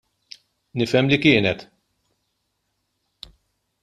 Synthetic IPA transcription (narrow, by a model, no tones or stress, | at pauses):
nɪfɛmlikɪːnɛt̪